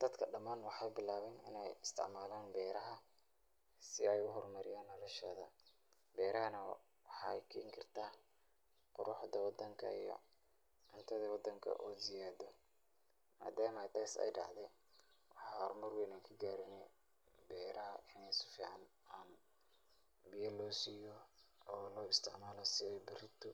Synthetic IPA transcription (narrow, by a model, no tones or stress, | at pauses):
d̪̥ɐd̪kʰɐɖɐmaːnwɑħɑjbɪlaːβɛnɪ̰nɛjɪst̪ʰɪ̰ʕmaːlaːnbɛːɾɐɦɐ | sɪɛjʊɦɔrmɐɾɪjaːnːɔlɔʃɐðɐ̰ | bɛːɾɐɦɐnɐ | wɑħɑɛjkʰɐɪŋkʰɪrt̪ʰaː | qʊɾʊħd̪ɐwɑd̪ɐŋkʰɐ̰ḭjɔ̰ | ɪnt̪ʰɐðɐwɑd̪ɐŋkʰɐ̰ʔɔːzɪjaːd̪ɔ | ma̰ːd̪aːmɐt̪ʰaːsɛ̰jɖɑ̰ʕd̪ɛn | wɑħɑhɔrmɐrwɛːnaːŋkʰɐɡaːɾɪnɛ | bɛːɾɐɪnɛjsʊ̥fiːʕɑnaːn | bɪjɐlɔːsijɔ | ɔːlɔːɪst̪ʰɪʕmaːlɔsɪɛjbɪrɪt̪ʰɔ